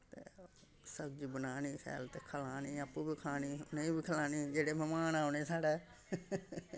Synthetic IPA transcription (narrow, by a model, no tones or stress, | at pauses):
t̪ḛː | səɡ̚d͡ʒiːbənaːniːkʰɛ̰ːlt̪eːkʰəlaːniːəpːuːbiːkʰaːniːʊnẽːbiːkʰəlaːniːd͡ʒeːɽeːmɛmaːnaːoneːsaːɽeː